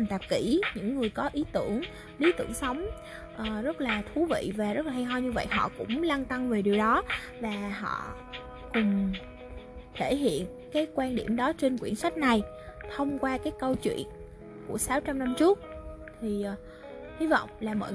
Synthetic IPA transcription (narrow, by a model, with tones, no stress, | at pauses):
ŋt̪a˨˩p̚ki˧˩ɲɨ̰˧˥ŋːɨ˨˩əjkɔ˨˦ʔi˨˦t̪ɨ˧˩əŋ | li˨˦t̪ɨ̰˧˩əŋsə˨˦wŋ͡m | ʔəː˨˩zə˦˥t̚laː˨˩t̪ʰu˨˦vḭ˧˨vaː˨˩zə˦˥laː˨˩a˧jɦɔ˧jɲɨ˧və̰˧˨jɦɔ̰˧˨kʊ̰˧˥ŋ͡mlaː˧nt̪a˧ŋve˨˩ɗi˨˩əwɗɔ˨˦ | vaː˨˩ɦɔ̰˧˨ | kʊ˨˩ŋ͡m | t̪ʰe˧˩ɦḭ˧˨ənkaː˨˦jkwaː˧nɗi˧˩əmɗɔ˨˦t͡ɕe˧nkwi˧˩ənsa˦˥jk̟̚na˨˩j | t̪ʰə˧wŋ͡mkwaː˧kaː˨˦jkə˧wt͡ɕwḭ˧˨ən | ku˧˩əsaː˨˦wt͡ɕa˧mna˧mt͡ɕɨ˦˥ək̚ | t̪ʰi˨˩ʔ | hi˨˦vɔ̰˧˨wŋ͡mlaː˨˩mɔ̰˧˨